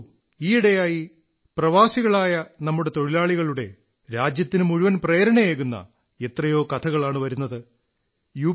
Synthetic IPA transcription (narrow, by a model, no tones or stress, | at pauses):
iːɽejaːji | prɐʋaːsiɣɐɭaːjɐnɐmːuɽe̞t̪o̞ɻilaːɭiɣɐɭuɽe̞ | ɾaːd͡ʑjɐt̪ːinɨmuɻuʋɐnpreːɾɐɳɐjeːɣunːɐ̰ | e̞t̪rɐjo̞ːkɐt̪ʰɐɣɐɭaːɳɨʋɐɾunːɐðɨ | juː